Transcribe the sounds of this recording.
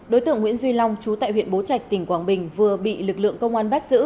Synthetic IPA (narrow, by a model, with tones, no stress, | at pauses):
ɗo˨˦jt̪ɨ̰˧˨əŋwḭ˧˥nzwi˧la˧wŋ͡mt͡ɕu˨˦t̪a̰ː˧˨jhwḭ˧˨ənɓo˨˦t͡ɕa˨˩jk̟̚t̪ï˧˩ŋ̟kwaː˨˩nɓï˨˩ŋ̟vɨ˨˩əɓḭ˧˨lɨ˨˩k̚lɨ̰˧˨əŋkə˧wŋ͡mʔaː˧nɓa˦˥t̚z̥ɨ̰˧˥